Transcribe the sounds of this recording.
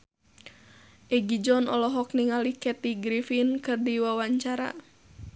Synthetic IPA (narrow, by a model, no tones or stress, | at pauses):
ʔɛɡid͡ʒɔnɔlɔɦɔk̚niŋalikɛt̪iɡɾifinkɨrdiwawaɲt͡ʃaɾa̰